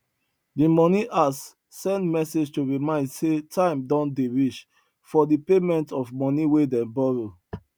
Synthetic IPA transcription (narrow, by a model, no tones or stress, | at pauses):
dimɔniʔasː | ɛ̃ndmɛsed͡ʒtuɹimãɪ̃ndsetʰãɪ̃mdɔ̃ndeɹit͡ʃ | fɔdipemɛ̃ntɔfmɔ̃niwedɛ̃nbɔɹo